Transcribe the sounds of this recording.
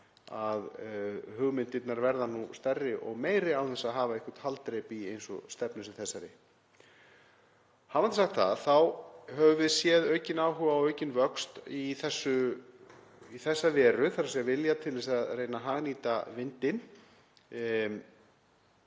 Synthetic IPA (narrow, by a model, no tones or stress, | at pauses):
aðhʏɣmɪnt̪ɪt̪naɾvɛɾðanust̪ɛrːɪʔɔɣmeːjɾɪawθɛsːaðɦaːvaɛhkḁt̪halt̪ɾejpiejnsɔ̰st̪ɛpnʏsʏmθɛsːaɾɪ̰ | havant̪ɪsaxt̪θa̰ðθawɦœvʏvɪðsjɛːðœːɥcɪnaːwɦʏvaːwœɥcɪnvœkst̪iθɛsːʏ | iθɛsːavɛːɾʏθaɾasiavɪljat̪ʰɪlvɪsaðrejnaɦaːɣniːt̪avɪnt̪ɪn